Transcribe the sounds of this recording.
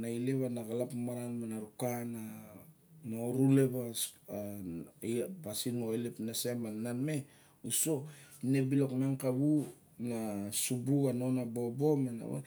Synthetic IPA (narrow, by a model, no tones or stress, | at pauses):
naileβanaɡalapmaɾanmanaɾukana | noɾule̞βa | pasinoelepnasemananme̞ | usoinebilokmaŋkaβu | nasubukano̞nabo̞bo̞mena̰a̰